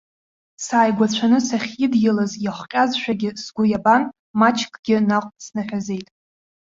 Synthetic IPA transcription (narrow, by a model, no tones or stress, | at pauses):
saːjɡʷat͡ɕʷʰanɨsaχʲidjɪlazjaχʷqʲʼazʃᶣaɡʲɪsɡʷʊjaban | mat͡ʃʰkʼɡʲɪnaqʷʼsnaħʷᶣaze̞jtʼ